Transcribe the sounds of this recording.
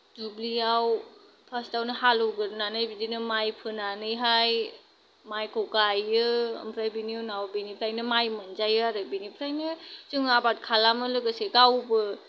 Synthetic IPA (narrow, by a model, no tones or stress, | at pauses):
dubliaw | pʰastawnɯhalɔwɡɯɾɯnanɯjbidinɯmajpʰɯnanɯjɦaj | majkʰoɡajɯə̰mpʰɾajbiniɔnawbinipʰɾajnɯmajmɯnzajɯaɾɯbinipʰɾajnɯzɯŋabat̚kʰalamɯlɯɡɯseɡawbɯ